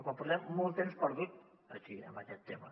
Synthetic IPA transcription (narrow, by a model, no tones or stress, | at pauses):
kwampuɾt̪ɛmːɔlˠt̪emspəɾðut̪̚ | ɐʃiə̰mbəkɛt̪ːemɐ̰